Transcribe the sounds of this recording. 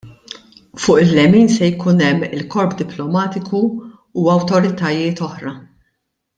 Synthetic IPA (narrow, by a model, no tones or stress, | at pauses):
fʊːʔɪlːɛmiːnsɛjkuːnɛmːɪlkɔɾpd̪ɪplɔmɐːt̪ɪkʰuː | ɐwt̪ɔɾɪt̪ɐjɪːt̪ɔħɾɐ